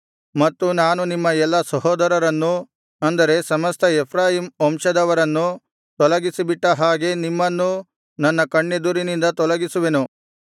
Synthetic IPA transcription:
mɐt̪ːunaːnunimːɐɛlːɐsɐɦɔːd̪ɐɾɐɾɐnːu | ɐnd̪ɐɾe̞sɐmɐst̪ʰɐepʰɾaːɦiːmɔmʃɐd̪ɐʋɐɾɐnːu | t̪ɔlɐɡisibiʈːɐɦaːɡe̞nimːɐnːu | nɐnːɐkɐɳːe̞d̪uɾinind̪ɐt̪ɔlɐɡisuʋe̞nu

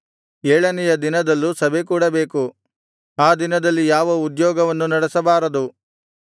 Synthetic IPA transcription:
eːɭɐnɛjɐd̪inɐd̪ɐlːusɐbʱek̬uːɽɐbe̞ːku | aːd̪inɐd̪ɐlːijaːʋɐud̪jɔːɡɐʋɐnːunɐɽɛsɐbaːɾɐd̪u

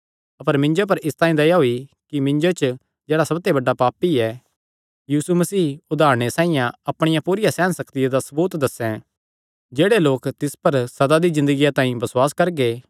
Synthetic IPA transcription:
ɐpəɾmɪ̃ɲd͡ʒop̬ɐɾɪst̪ãːĩd̪ɐjaɦoikimɪ̃ɲd͡ʒot͡ʃ | d͡ʒɛːɽasɐbt̪ebɐɖːapaːpiɛ | jiːsumɐsiːʊd̪ʱaːɾɽ̃esãːĩjãɐpɽ̃ɪjãpuːɾɪjasɛːnsɐkt̪ɪjad̪asɐbuːt̪d̪ɐsɛ̃ | d͡ʒeːɽeloːkt̪ɪspɐɾsɐd̪ad̪izɪ̃nd̪əɡijat̪ãːĩbɐswaːskɐɾɡeː

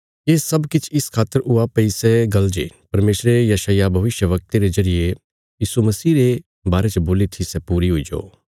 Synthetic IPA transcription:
eːsɐbkɪt͡ʃʰɪskʰaːt̪ːəɾʊapɐisɛɡɐld͡ʒḛpɐɾmeːsɾejɐʃaːjabʱɐʋɪʃjəʋɐk̚t̪eɾezɐɾɪje | jiːsumɐsiːɾe | baːɾet͡ʃəboːlit̪ʰisɛpuːɾiɦʊid͡ʒo̰ː

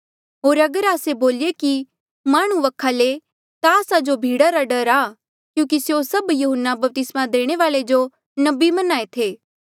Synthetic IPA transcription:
ɦoːɾɐɡəɾaːseboːleki | maːɽ̃ũʋɐkʰale | t̪aːsad͡ʒobʱiːɽaɾaɖɐɾaː | kjũːk̬isjosɐbjuɦənːabɐp̚t̪ɪsmad̪eːɽ̃eʋaːlɭed͡ʒo | nɐbimɐnaːet̪ʰeː

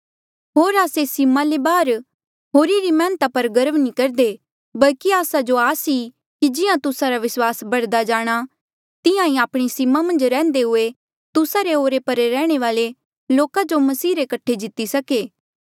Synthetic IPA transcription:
ɦoːɾaːsesɪmãlebaːɾ | ɦoːɾiɾimɛ̃ːnət̪apɐɾɡɐɾəʋnĩkɐɾd̪e | bɐlkiaːsad͡ʒoaːsi | kid͡ʒɪjãt̪ʊsaɾaʋɪswaːsbɐɽd̪ad͡ʒaːɽ̃a | t̪ɪjãĩaːpɽ̃isɪmamɐ̃nd͡ʒɾɛ̃ːnd̪eɦʊe | t̪ʊsaɾeoːɾepɐɾɾɛːɽ̃eʋaːle | loːkad͡ʒomɐsiːɾekɐʈʰːed͡ʒɪt̪ːisɐkeː

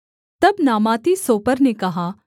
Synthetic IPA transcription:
t̪ɐbnaːmaːt̪isoːpəɾnekɐɦaː

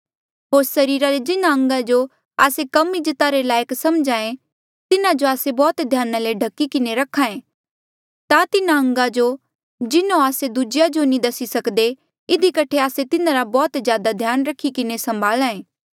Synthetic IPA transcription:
ɦoːɾsɐɾiːɾaɾed͡ʒɪnãɐ̃ŋɡad͡ʒo | aːsekɐmid͡ʒɐt̪aɾelaːjəksɐmd͡ʒãːẽ | t̪ɪnad͡ʒoaːsebɔːt̪d̪ʱjaːnaleɖʱɐkːikɪneɾɐkʰãːẽ | t̪at̪ɪnaɐ̃ŋɡad͡ʒo | d͡ʒɪnõaːsed̪ʊd͡ʒjad͡ʒonĩd̪ɐsisɐkd̪e | ɪd̪ʱikɐʈʰeaːset̪ɪnãɾabɔːt̪d͡ʒjaːd̪ad̪ʱjaːnɾɐkʰikɪnesɐ̃mbʱaːlãːẽː

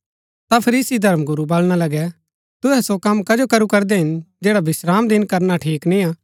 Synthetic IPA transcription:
t̪apʰɐɾiːsid̪ʱɐɾmɡʊɾubɐlɽ̃alɐɡɛ | t̪ʊɦɛsokɐmːkɐd͡ʒokɐɾukɐɾd̪ɛɦɪnd͡ʒɛːɽabɪsɾaːmd̪ɪnkɐɾnaʈʰiːknĩaː

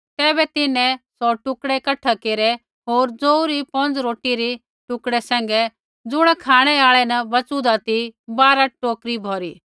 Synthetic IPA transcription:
t̪ɛːbɛt̪ɪnɛ̃sɔʈʊkɽɛkɐʈʰːakeːɾɛ | ɦoːɾd͡zoːuɾipɐ̃nd͡zɾoːʈiɾi | ʈʊkɽɛsɛ̃ːŋ̆ɡɛ | d͡zʊɽ̃ɛkʰaːɽ̃ɛaːɭɛnɐbɐt͡sud̪at̪ibaːɾaʈoːkɾibʱɔːɾiː

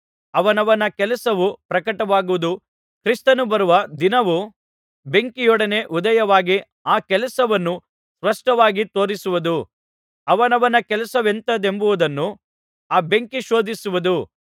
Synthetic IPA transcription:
ɐʋɐnɐʋɐnɐkɛlɐsɐʋupɾɐkɐʈɐʋaːɡuʋud̪u | kɾist̪ɐnubɐɾuʋɐd̪inɐʋu | be̞ŋkijɔɽɐne̞ʔud̪ɐjɐʋaːɡi | aːkɛlɐsɐʋɐnːu | sʋɐʂʈɐʋaːɡit̪o̞ːɾisuʋud̪u | ɐʋɐnɐʋɐnɐkɛlɐsɐʋe̞nt̪ɐd̪embuʋud̪ɐnːu | aːbe̞ŋkiʃo̞ːd̪isuʋud̪u

